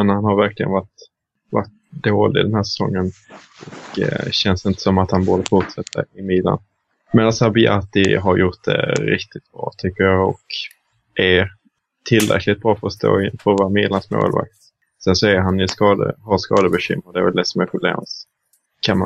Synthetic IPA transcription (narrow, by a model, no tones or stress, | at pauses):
ɛnhanhaɾvæɾklɪɡə̰nvaʈ | vaʈ̚ | d̪oːlɪ̰ɡd̪ɛnhæʂɛ̥sɔ̰ŋːənɔkɕɛnsɪnt̪ə̥sɔmat̪hanboːd̪əfʊʈʂɛt̪ʰːə̰ɾɪmɪːd̪la̰n | meːd̪ansæɾbɪʔat̪ɪɦaɾjʊʈ̚d̪ɛ̰ɾɪkt̪ɪt̪̚b̥ɾɑ̰ːt̪ʰʏkːəɾjɑːɔ̰k | ʔæɾ | t̪ʰɪlɾɛ̰kʰlɪt̪̚bɾɑːfœɾɔst̪o̰ːɪfœɾɔvaɾmɪd̪lansmo̰ːlva̰k̚t̪ | sɛnsɔæɾɦanɪskɑːd̪ə̰ɦaskɑ̰ːd̪əbɛɕʏ̰mɾad̪ɛæɾvɛld̪ɛsɔmɛpʰɾʊblḛːms | kʰanma